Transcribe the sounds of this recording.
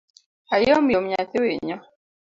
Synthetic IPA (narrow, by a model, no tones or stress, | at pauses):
ajɔmjom̩ɲat̪eweɲɔ